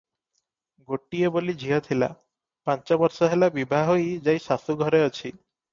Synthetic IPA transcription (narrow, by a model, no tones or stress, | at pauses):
ɡoʈːiebolid͡ʑʱiɦɔt̪ʰila̰ | pant͡ʃabɔɾsɔɦelabibʱaɦojd͡ʑajʃasuɡʱɔɾeɔt͡ɕʰi